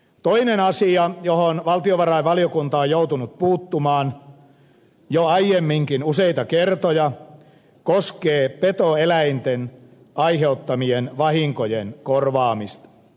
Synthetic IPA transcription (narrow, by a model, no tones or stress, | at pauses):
t̪oinenɑsiɑjohonʋɑlt̪ioʋɑrɑiʋɑliokunt̪ɑojout̪unut̪̚puːt̪ːumɑːn | joɑijemːiŋkinuseit̪ɑkert̪ojɑ | koskeːpet̪oelæint̪en | ɑiheut̪ːɑmienʋɑhiŋkojenkorʋɑːmist̪ɑ̥